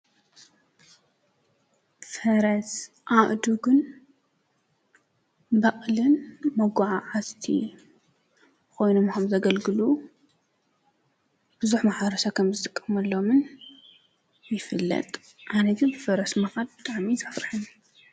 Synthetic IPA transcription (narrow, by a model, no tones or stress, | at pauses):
fɐɾɐs | ʔaʔd̪uɡɨn | bɐχʼlɨnmɐɡʷaʕaʕast̪ʰḭ | ko̞jnomkʰɐmzɐɡɐlɡɨlu | bɨzuħmaħɐɾɐsakʰɐmzɨt̪ʼɨkʼːɐmɐlːomɨn | jɪfɨlːɐ̰t̪ʼ | ʔanɐɡ̪ɨnfɐɾɐsmɐxad̪̚bɨt̪ʼaʕmizafɾɨħɨn